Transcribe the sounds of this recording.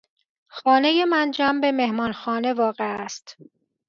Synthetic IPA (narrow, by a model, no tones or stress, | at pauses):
xɒːneje̞mænd͡ʒæmbe̞me̞hmɒːnxɒːne̞vɒːɣe̞æst̪